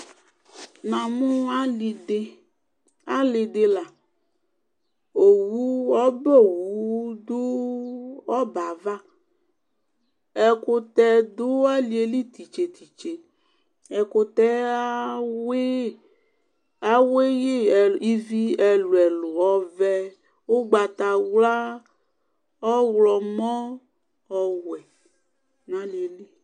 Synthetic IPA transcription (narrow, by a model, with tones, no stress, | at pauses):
nã˨mũ˦a˦i˨de˦ | a˦lɪ˨d̪e˦la˨ | o˨wu˦ɔ˦bɔ˦˨wu˨˦d̪ʊ˦ | ɔ˦ba˨va˦ | ɛ˨kʊ˦t̪ɛ˦d̪ʊ˦a˦li˨e˨li˦t̪i˨t͡ʃe˨t̪i˨t͡ʃe˨ | ɛ˨ko˦t̪ɛ˦a˦we˦ | a˨we˦je˦˨i˦˨vi˦ɛ˨lu˨ɛ˨lo˨ɔ˦vɛ˦ | wo˦ɡ͡ba˨t̪a˨wla˦ | ɔ˦wlɔ˨mɔ̃˦ | ɔ˦wɛ˨ | nã˦li˨e˨li˦